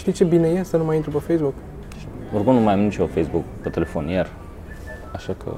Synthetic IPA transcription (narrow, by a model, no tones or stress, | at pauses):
ʃt̪it͡ʃe̞binejeast̪anumajint̪ɾupəfejsbuk | iurkumnumajamnit͡ʃofejsbukpet̪ele̞fo̞njar | aʃakʰə̰